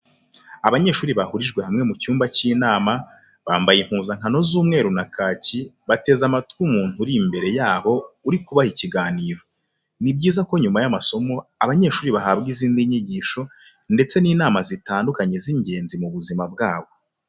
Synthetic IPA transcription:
aβaɲe̞ːʃuːɾiβahuɾiʒɡwe̞hamŋe̞mucuːmbaciːnaːma | βaːmbajim̥huːzaŋ̥ano̞zuːmŋe̞ːɾunakaːciβate̞zamatkumuːn̥huɾimbe̞ɾe̞jaːβo̞uɾikuβahiciɡaːniːɾo̞ | nibɟiːzakoɲumajamaso̞mo̞aβaɲe̞ʃuːɾiβaɦabɡiziːndiɲiɟiːʃo̞ | nde̞t͡se̞niːnaːmazitaːndukaɲe̞ziɲɟe̞ːnzimuβuzimab̚ɡaːβo̞

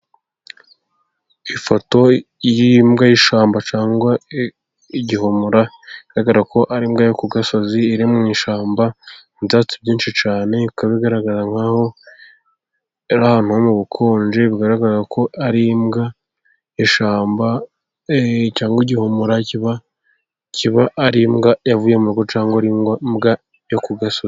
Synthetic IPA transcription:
ifoto̞jimɡajiʃaːmbat͡ʃaːŋɡwa | iɟiɦomuɾa | iɡ̥aɾaɡaɾako̞ʔaɾimɡajokuɡasoziːɾimŋiːʃaːmbaizaːt͡sibɟiːnʃit͡ʃaːne̞βikaβeiɡaɾaɡaɾaŋhaho̞ | ɾahan̥uhomuβukʰoːnd͡ʒeβiɡaɾaɡaɾakʰo̞ʔaɾimɡa | eʃaːmba | caːŋɡwiɟiho̞muɾaciβa | ciβaʔːɾimɡajavuːjemuɾɡo̞t͡ʃaːŋɡoɾimɡamɡa | jokuɡasozi

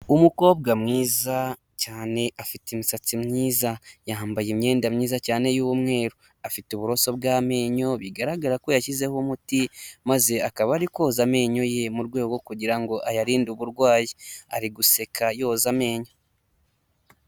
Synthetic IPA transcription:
umuko̞ːbɡamŋiːza | caːne̞ʔafitemusat͡simɲiːzajaɦambajemɲe̞ːndamɲiːzacaːne̞juːwumŋe̞ːɾo | afituβuɾo̞so̞b̚ɡaːme̞ːɲo̞βiɡaɾaɡaɾako̞jaʃize̞homutimaze̞akaβaɾikwo̞zame̞ːɲo̞je̞muɾɡwe̞ːɡɡo̞kuɟiɾaŋɡo̞ʔajaɾiːnduβuɾɡwaːjia̰ɾiɡuse̞kʰajo̞ːzame̞ːɲo

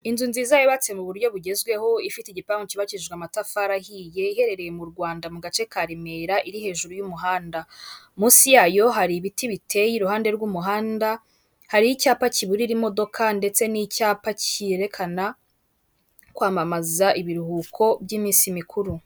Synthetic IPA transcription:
inzunziːzajoβat͡semuβuɾɟjo̞βuɟe̞zɡwe̞ho̞ifiteiɟipaːŋɡociβaciʒɡwamatafaːɾahije̞ihe̞ɾe̞ɾe̞je̞muɾɡwaːndamuɡat͡ʃe̞kaɾime̞ɾaʔiɾihe̞ːʒuɾujumuɦaːndamuːsijaːjo̞ɦaɾiβitiβitʰe̞jiɾuhaːnde̞ɾɡuːmuɦaːnda | haɾijicaːpaciβuɾiɾimo̞do̞kʰande̞t͡se̞nicaːpacieɾe̞kʰana | kwaːmamazaʔiβiɾuhuːkʰo̞bjiːmiːsimikʰuɾu

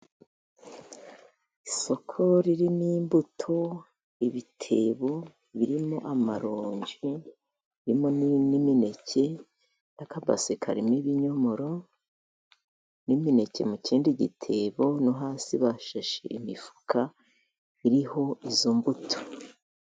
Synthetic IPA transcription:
iso̞kʰo̞ɾiɾiniːmbutʰo̞ | iβitʰe̞βo̞ | βiɾimo̞ʔamaɾoːɲɟi | iɾimonnimine̞cʰe̞ | nakaba̰sekʰa̰ɾimiβiɲo̞moɾo̞ | nimine̞ce̞̰muciːndiɟitʰe̞βo̞nuɦaːsiβaʃaʃḛʔimifu̥kʰa | βiɾiho̞izuːmbutʰo̥

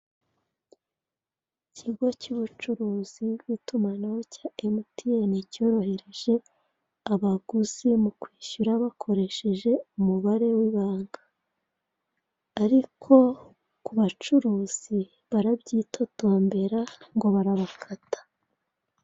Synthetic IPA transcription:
icʰiɡo̞cuβut͡ʃuɾuːz̥ibɡitumanawocaːemutienicoɾohe̞ɾe̞ʒe̞ | aβaɡ̥uzimukwiːʃuɾaβakʰo̞ɾe̞ʃe̞ʒe̞umuβaɾe̞wiβaːŋɡḁ | ɾikʰo̞ | kuβat͡ʃuɾuːz̥i | βaɾabɟiːtʰo̞toːmbe̞ɾaŋɡo̞βaɾaβakʰatḁ

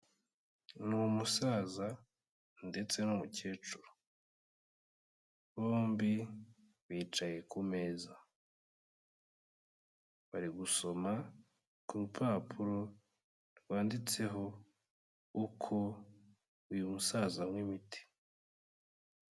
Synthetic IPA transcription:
numusaːza | nde̞t͡se̞nomuce̞ːt͡ʃuɾu̥ | βo̞ːmbi | βiːt͡ʃaje̞kume̞ːza | βaɾiɡuso̞ma | kuupʰaːpʰuɾo̞ | ɾɡwaːndit͡se̞ɦo̞ | ukʰo | ujumusazamŋwimiti̥

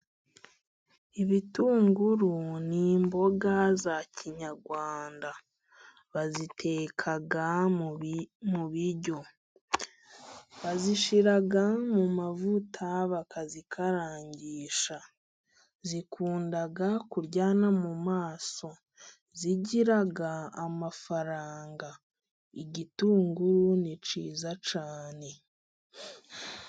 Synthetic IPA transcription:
iβituːŋɡuɾuniːmbo̞ɡazaciɲaɾɡwaːnda | βazitʰe̞ːkʰaɡa | muβiɾɟo̞ | βaziʃiɾaɡamumavutʰaβakʰazikʰaɾaːɲɟiːʃa | zikʰuːndaɡakuɾɟaːnamumaːso̞ | ziɟiɾaɡaːmafaɾaːŋɡa | iɟituːŋɡuɾunit͡ʃḭːzat͡ʃaːne̞

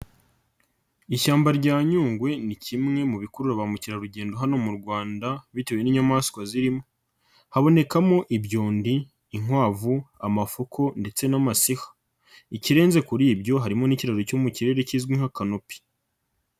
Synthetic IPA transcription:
iʃaːmbaɾɟaːɲuːŋɡwe̞nicʰimŋe̞muβikuɾuɾaβamuciɾaɾuɟe̞ːndo̞ɦano̞muɾɡwaːndaβiteweniɲamaskwaziɾimo̞ | haβo̞ne̞kamo̞ʔibɟo̞ːndiː | ŋwaːvuamafokʰo̞nde̞t͡se̞namasihḁ | iciɾe̞ːnze̞kuɾiːbɟo̞ɦaɾimo̞niciɾaɾocomuciɾe̞ːɾe̞ciːzɡwiŋ̥hakanopi̥

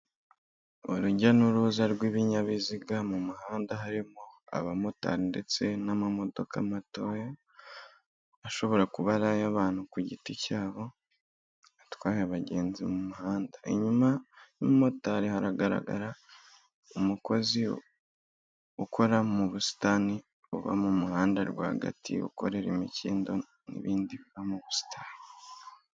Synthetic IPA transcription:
oɾuɟanuɾuzaɾɡwiβiɲaβiziɡamumuɦaːndaɦaɾimoa̰βamo̞ta̰ɾinde̞t͡se̞namamo̞do̞kʰa̰mato̞ja | aʃo̞βo̞ɾakuβaɾajaβaːn̥hukuɟiticaːβo̞ | atwaːjaβaɟe̞ːnzimumuhaːndaḛɲumanimumo̞taɾihaɾaɡaɾa̰ɡa̰ɾa | umuko̞zi | ukʰo̞ɾamuβusi̥tani | uβa̰mumuhaːndaɾɡwa̰ːhɡa̰tʰḭṵko̞̰ɾe̞ɾemiciːndo̞ | nḭβiːndiβiβamuβusi̥tʰani

